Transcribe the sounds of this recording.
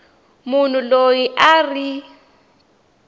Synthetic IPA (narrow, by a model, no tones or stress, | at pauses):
mun̤ulojiʔari